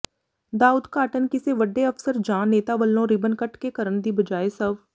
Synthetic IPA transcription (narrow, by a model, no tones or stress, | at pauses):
d̪aːuːd̪kaːʈənkɪseʋəɖːeəfsəɾd͡ʒãːnːeːt̪aʋəlːõɾɪbənkəʈkekəɾəɳd̪iːbəd͡ʒaːesəb